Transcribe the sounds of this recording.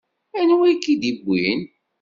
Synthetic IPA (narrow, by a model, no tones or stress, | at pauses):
ænwæjkːid̪ibʷːin